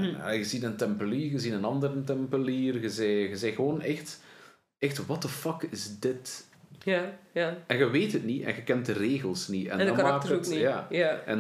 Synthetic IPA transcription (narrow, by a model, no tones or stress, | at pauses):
ɣəzinəntɛmpəliːrɣəzinənɑndəɾəntɛmpəliːrɣəzɛjɣəzɛjɣəʋoːnɛxt | ɛxtwɑtəfɑkɪzdɪt | ajaɛnɣəʋeːthətniʔɛ̰nɣəkɛnt̚dəreːɣəlˠsniɛ̰ndɔmaːk̚əkijaːaɛ̰n